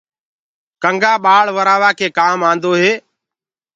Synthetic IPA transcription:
kəŋɡaːɓaːɭʋəɾaːʋaːkʰeːkaːmãːnd̪oːɦeː

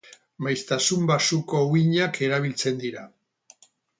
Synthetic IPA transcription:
majst̪asumbasuko̞wiɲake̞ɾaβ̞ilt͡se̞nd̪iɾa

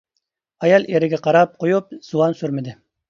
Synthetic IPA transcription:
ɑjɑlˠʔeɾɪɡʲɛqʰɑɾɑp̚qojup̚z̥uwɑnsyɾmɪd̪ɪ

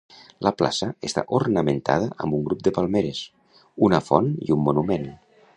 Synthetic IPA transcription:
lʔəpla̰səest̪a̰ʔurnəment̪a̰ð̞əʔəmbuŋɡɾup̚d̪əpalˠmeɾes | unəfɔnḭumːunumen

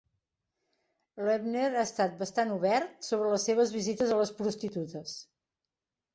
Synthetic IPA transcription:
lɛbneɾaəst̪at̪̚bəst̪anuβɛɾt̪soβ̞ɾələsːeβəzβizit̪əzələspɾust̪it̪ut̪əs

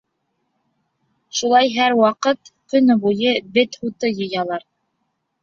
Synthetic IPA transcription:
ʃulˠɑjɦæɾwɑqɤt̪kɵ̆nbujɤbɘt̪hut̪ɤjɤ̆jɑlˠɑɾ

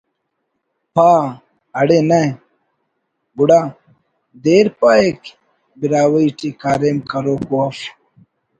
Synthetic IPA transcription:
pʰaː | ɐɽenɐ | buɽaː | d̪eːɾpaek | biɾaːwɐiʈikaːɾeːmkɐɾoːkuɐf

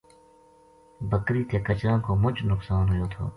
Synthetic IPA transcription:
bəkɾiːt̪ʰeːkət͡ʃɾãːkoːmʊd͡ʒnʊksaːnɦʊjoːt̪ʰo̰ː

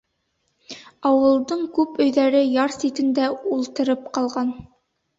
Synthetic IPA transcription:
ɑwɤ̆lˠd̪ɤɴkʉpɵ̆jðæɾɘjɑɾsit̪ɘ̆nd̪æulˠt̪ɤ̆ɾɤp̚qɑlˠʁɑn

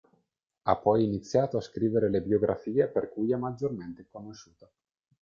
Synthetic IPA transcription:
apːɔjinit̪sːjaːt̪oaskɾiːveɾelebjoɡɾʔa̰fiːeperkujɛmːad͡ʒorment̪ekonoʃːuːt̪a

